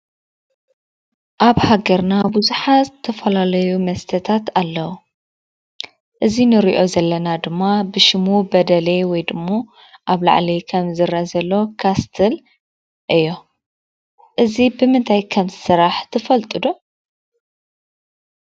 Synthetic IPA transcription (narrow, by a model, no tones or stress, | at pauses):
ʔaβhaɡɐɾnabuzuħazɨt̪ʰɐfɐlalɐjumɐst̪ʰɐt̪ʰat̪alːɐwu | ʔɨzinɨɾḭʔo̞zɐlːɐnad̪ɨmːabɨʃɪmubɐd̪ɐlewɔjd̪ɨmːo | ʔaβla̰ʕlikʰɐmzɨɾɐzɐlːo̞kʰast̪ʰɨl | ʔɨjːo̞ | ʔɨzibɨmɨnt̪ʰajkʰɐmzɨsɨɾaħt̪ʰɨfɐlt̪ʼɨd̪o